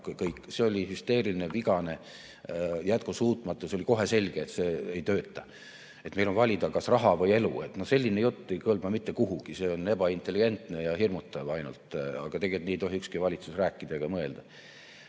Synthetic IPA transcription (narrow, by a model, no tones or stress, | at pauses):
kkɤjkːse̞o̞lʲihyst̪e̞ːɾilineviɡ̥ɑne̞ | jæt̪̚kosuːt̪ˑmɑt̪ːˑuseoliko̞ɦe̞se̞lʲɡ̥eːt̪se̞ːejt̪øːt̪ːˑɑ | e̞t̪me̞jlo̞nvɑlʲid̪ɑkɑsrɑɦɑvɤje̞lṵe̞t̪no̞hse̞lʲːinejut̪ːe̞jkɤlmɑmit̪ːe̞kuɦuɡ̥ise̞o̞ne̞b̥ɑint̪ːˑe̞lʲːiɡ̥e̞nt̪ˑne̞jɑhirmut̪ːˑɑvɑjnṵlt̪ɑ̰ɡ̥ɑt̪e̞ɡelt̪niejt̪o̞ɦiykskivɑlʲit̪susræːkːˑid̪ɑeɡ̥ɑmɤe̞ld̪̥ɑ